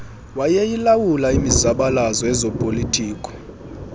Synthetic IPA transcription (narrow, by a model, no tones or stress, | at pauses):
wajɛjilawulaimizaɓalazɔɛzɔpʼolitʼʰiːkʼɔ̥